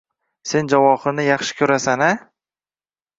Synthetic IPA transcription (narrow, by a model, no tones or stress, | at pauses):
se̞nd͡ʒavɒχɨnɪjɑχʃɪ̥kʲʰɵɾasana